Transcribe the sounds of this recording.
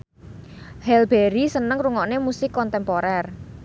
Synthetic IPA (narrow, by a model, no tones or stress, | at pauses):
hɛlbɛɾisənəŋruŋɔʔnemusɪkːɔnt̪ɛmpoɾɛr